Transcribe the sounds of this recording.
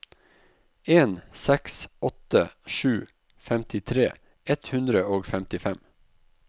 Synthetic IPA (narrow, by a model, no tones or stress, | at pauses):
eːnsɛksʔɔt̪əʃʉː | fɛmt̪ɪt̪ʰɾeː | ɛt̪hʉnd̪ɾəoːɡfɛmt̪ɪfɛm